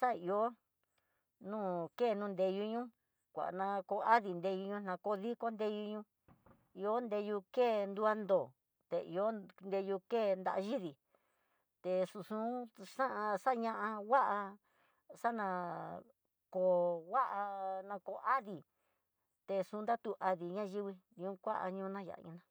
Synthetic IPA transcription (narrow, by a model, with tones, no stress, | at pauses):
sa˦˨i˧o˦ | nũː˦˨keː˦˨nũː˦˧nd̪e˧ju˧ɲũ˦ | kʷa̰˨ʔnã˧ko˧a˦ði˨nd̪e˧ju˧ɲũ˧nã˧ko˧ði˦ko˦nd̪e˧ju˧ɲũ˧ | i˧o˦nd̪e˧ju˧keː˦˨nd̪u˧a˧nd̪o˨ | t̪e˧ḭ˧o˦nd̪e˧ju˧keː˦˨nd̪a̰˧ʔa˧ʒi˦ði˨ | t̪e˧sũ˧sũ˦ʂã˦ʔã˧ʂa˦˧ɲã˧ʔã˧wa˦ʔa˧ | ʂa˦nã˧ | ko˨wa˦ʔa˧nã˧ko˧˨˧ʔa˦ði˨ | t̪e˧sũ˧˦nd̪a˦t̪u˧ʔa˧ði˨ɲã˦˧ʒi˦βi˧ | ɲũ˧˦kʷa˦ʔa̰˧ɲũ˧˦˧nã˦ja̰˨˧ũ˧nã˧